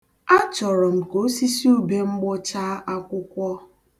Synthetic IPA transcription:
a˦t͡ʃɔ˨ɾɔ˨m̩˨ko˨˦si˦si˦u˦be˦ŋ͡m̩˦ɡ͡bʊ˦t͡ʃaː˦ʔa˦kʷʊ˦kʷɔ˦

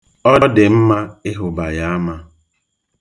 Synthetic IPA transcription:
ɔ˦dɪ˨m̩˦ma˦ɪ˦ɦʊ˨ba˨ja˦a˦ma˦

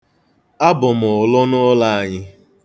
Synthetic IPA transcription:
a˦bʊ˨m̩ʊ˨lɔ˦nʊ˦la˦a˦ɲɪ˦

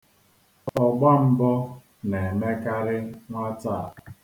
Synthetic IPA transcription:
ɔ˨ɡ͡ba˦m̩˦bɔ˦ | ne˨me˦ka˦ɾɪ˦ŋʷa˦taː˦˨

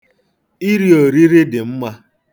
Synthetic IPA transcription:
i˦ɾi˦o˨ɾi˦ɾi˦dɪ˨m̩˦ma˦

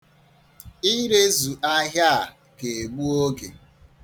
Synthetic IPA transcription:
i˦ɾe˦zu˨ʔa˦ɦja˦a˨ | ke˨ɡ͡bu˦o˦ɡe˨

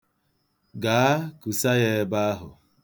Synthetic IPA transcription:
ɡaː˨a˦ku˨sa˦je˦ba˦a˦ɦʊ̰˨

